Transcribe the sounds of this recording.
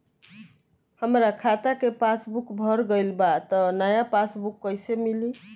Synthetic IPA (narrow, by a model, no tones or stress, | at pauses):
həmɾakʰat̪akepasbukbʱɔɾɡəjlbat̪ənajapasbukːəjsemili